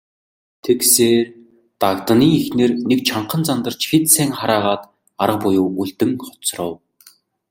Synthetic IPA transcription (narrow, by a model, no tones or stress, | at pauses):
t̪ʰekseːr | t̪akt̪ə̆niːixneːrnek̚t͡ɕʰaɴqə̆nt͡sant̪ə̆r̥t͡ɕxet̪sæːŋχaɾaːʁaːt̪ | aɾə̆q̚pʊjʊːuɮt̪ɘ̆ŋχɔ̥t͡srə̆w